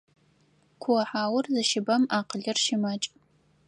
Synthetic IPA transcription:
kʷʰʊwɐħaːwʊrzɨʃɪbɐmaːqəɮɨrʃɪmɐt͡ʃʼ

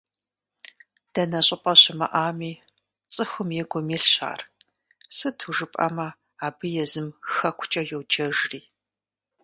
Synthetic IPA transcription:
d̥ɐnɐɕʼɪpʼɐɕɪmɐ̰ʔaːmiː | t͡sʼɨxʷʊmjɛɡʷʊmiːɬɕa̰ːr | sɨtʰuʐɨpʼɐ̰mɐ | aːbɨjɛzɨmxɐkʷʰʊ̥t͡ʃʼɐjowd͡ʒɐʒriː

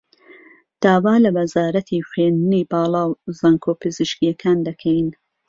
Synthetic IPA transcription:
d̪̥aːwaːlɐwɐzaːɾɐt̪ʰiːxweːnniːbaːlˠɑːwzaːŋkʰoːpʰɨziʃkijɐkʰaːnd̪ɐkʰɛjn

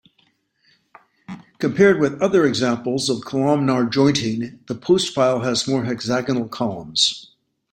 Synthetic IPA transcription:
kʰɨ̃mpʰɛɹd̚wɨðʌðə˞ɨɡzæ̃mpl̩ˠzʌv̥kʰəlɑmnɑɹd͡ʒɔ̃ɪ̃ntɪ̃ŋðəpʰoʊstfaɪlˠəzmɔɹɨɡzæɡənl̩ˠkʰɑlˠə̰̃mz̥

